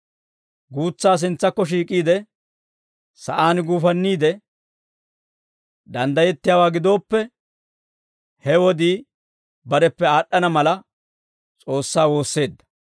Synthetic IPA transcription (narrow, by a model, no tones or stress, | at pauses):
ɡuːt͡sːaːs̬ɪnt͡sːɐkːɔʃ̬iːkʼiːd̪ɛ | sɐʔaːnɡuːfɐnːiːd̪ɛ | d̪ɐnd̪ɐjɛt̪ːɪjaːwaːɡɪd̪o̞ːpːɛ | hɛwɔd̪iː | bɐɾɛpːɛaːɗːɐnɐmɐlɐ | t͡sʼo̞ːsːaːwo̞ːsːe̞ːd̪ːɐ̥